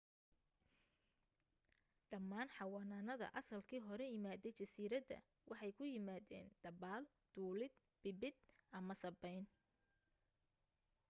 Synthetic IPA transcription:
ɖɐmːaːnħɑwɑːnaːnɐðɐ̰ʔɐsɐlkʰiːɦɔɾɛjɪmaːðɛjt͡ʃɐsiːɾɐd̪ɐ̰ | wʔɑħɑjkʰʊjɪmaːðɛ̰ːnd̪̥ɐbaːl | d̪̥uːlɪd̪̚ | b̥ɪbɪd̪ʔɐmɐsɐbɛjn

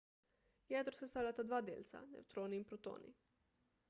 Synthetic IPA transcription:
jɛd̪ɾosɛst̪aːlʲat̪ad̪ʋaːd̪ḛːlʲt̪sa̰nɛ̰wt̪ɾoːniiːnpɾot̪o̰ːnḭ

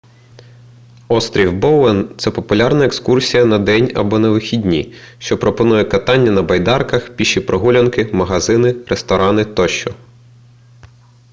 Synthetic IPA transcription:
ɔst̪ɾʲiwbɔwɛnt̪sɛpɔpʊlʲɑrnɐekskursʲijɐnɐd̪ɛnʲɐ̰bɔnɐʋɪxʲidʲnʲḭʃt͡ʃɔpɾɔpɔnujɛkɐt̪ɑnʲːɐnɐbɐjd̪ɑrkɐxpʲiʃipɾɔɦulʲɐnkɪmɐɦɐzɪnɪɾʔest̪ɔɾɑnɪt̪ɔʃt͡ʃɔ

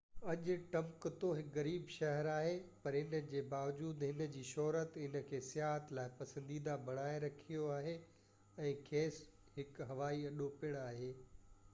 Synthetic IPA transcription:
ɐʄʊ̆ʈɐ̃mkt̪oɦɪkɣɐɾiːbʃɐɦɛɾaːɦepɐɾɪnə̆d͡ʑeːbaːʋd͡ʑuːd̪ɦɪnə̆d͡ʑiːʃɔːɾət̪ɪnə̆kʰeːsɪjaːɦət̪laːɪpɐsə̃nd̪iːd̪abɐɽ̃aːeɾɐkʰijoaːɦe | ɛ̃ːkʰeːs | ɦɪkɦɐʋaːiɐɗopɪɽ̃aːɦeː

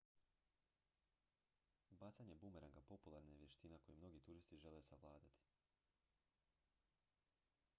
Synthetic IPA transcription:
ubaːt̪saɲe̞bumeɾaŋɡapo̞pulˠaɾnajeʋjeʃt̪inako̞jimno̞ɡit̪uɾist̪iʒelesaʋlˠaːd̪at̪i̥

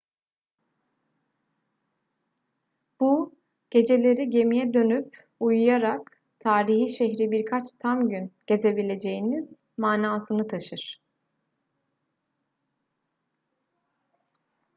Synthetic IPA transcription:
b̥u | ɟ̥e̞d͡ʒe̞lʲe̞ɾiɟe̞mijɛd̪ø̞nyp̚ | ujujaɾak | t̪ʰaːɾiɦiʃɛɦɾibiɾkʰat͡ʃt̪ʰamɟynɟ̥e̞ze̞bilʲe̞d͡ʒe̞jiniz̥maːnaːsɯnɯt̪ʰaʃɯɾ̥

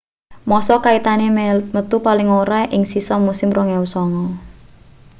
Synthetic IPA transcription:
mɔsɔkait̪anemət̪upalɪŋoɾaʔɪŋsisɔmusɪmrɔŋɛwsɔŋɔ

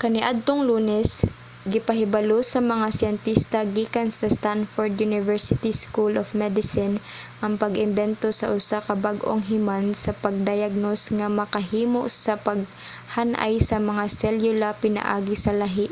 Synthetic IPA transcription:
kɐnɪʔad̪̚t̪oŋluːnɛs | ɡɪpɐɦɪbɐlosɐmɐŋasɪjɛnt̪ist̪ɐɡiːkɐnsɐst̪anfoɹd̪junɪvɛɹsɪt̪iskulʔofmɛd̪ɪsɪnʔɐŋpɐɡɪmbɛnt̪o̞sɐ̰ʔʊsakɐbaɡʔoŋɦɪmansɐpɐɡ̚d̪ɐjaɡ̚nosŋɐmɐkɐɦiːmo̰ʔsɐpɐɡ̚ | hanʔa̰jsɐmɐŋasɛljʊlapɪnɐ̰ʔa̰ːɡɪsɐlɐɦiʔ

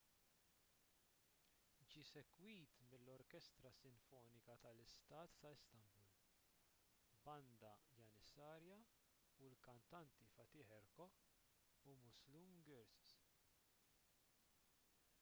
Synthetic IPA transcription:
d͡ʒiːsɛkwiːt̪mɪlːɔɾkɛst̪ɾɐsɪɱfɔːnɪkɐt̪ɐlɪst̪ɐːt̪ːɐɪst̪ɐmbʊl | bɐnd̪ɐjɐnɪsɐːɾjɐ | ulkɐnt̪ɐnt̪ifɐt̪iːħɛɾkɔ | umʊzlumɡɛɾss

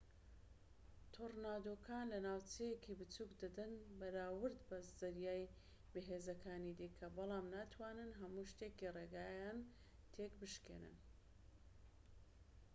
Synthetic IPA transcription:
t̪ʰornad̪okʰaːnlɐnaːwt͡ʃejekʰibɨt͡suːkd̪ɐd̪ɐnbɐɾaːwɨɾd̪bɐd̪ɐɾjaːj | bɨɦeːzɐkʰaːnid̪ikʰɐbɨlˠɑːmnaːt̪ʰwaːnɨnɦɐmuʃt̪ekireɡaːjan | t̪ʰekbɨʃkḛnɨ̰n

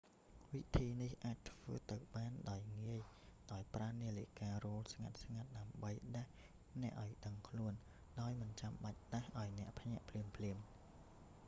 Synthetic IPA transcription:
ʋit̪ʰiːnihʔaːc̚t̪ʰʋə̰ːt̪ɨwɓaːnɗaɔjŋiəjɗaɔjpraːniəlikaːroːlsŋat̪̚sŋat̪̚ɗaəmɓəjɗah | nɛ̆əʔaɔjɗəŋkʰluən | ɗaɔjmɨnt͡ɕamɓac̚ɗahʔaɔjnɛ̆əʔpʰɲɛ̆əʔpʰliəmpʰliəm

